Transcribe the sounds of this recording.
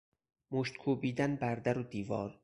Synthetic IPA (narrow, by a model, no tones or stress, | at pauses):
moʃt̪̚kʰuːbiːd̪ænbæɾd̪æɾod̪iːvɒ̰ːɾ